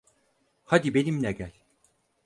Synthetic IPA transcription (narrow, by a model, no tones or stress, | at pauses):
had̪ibe̞nimnɛɟælʲ